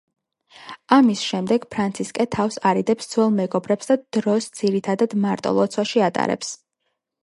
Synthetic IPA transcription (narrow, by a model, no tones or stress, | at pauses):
amisʃɛmd̪ɛɡ̥pʰɾant̪sʰiskʼɛt̪ʰafsaɾid̪ɛpsd̪z̥wɛlˠmɛɡɔbɾɛpsd̪ad̪̥ɾɔsd̪z̥iɾit̪ʰad̪ad̪maɾt̪ʼɔ̰lˠɔt̪sʰwaʃiat̪ʼa̰ɾɛ̰ps